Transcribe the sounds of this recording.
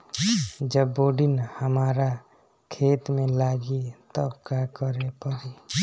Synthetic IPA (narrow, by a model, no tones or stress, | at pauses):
d͡ʒəbːoːɖinhəmaːɾa | kʰeːt̪mẽlaːɡit̪əbkakəɾepəɾi